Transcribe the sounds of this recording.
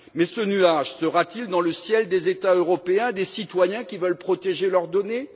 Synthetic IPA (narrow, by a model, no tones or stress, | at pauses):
mɛsənyaʒsəʁat̪ild̪ɑ̃ləsjɛld̪ezet̪aøʁɔpeɛ̃d̪esit̪wajɛ̃kʲivœlpχɔt̪eʒelœʁd̪ɔne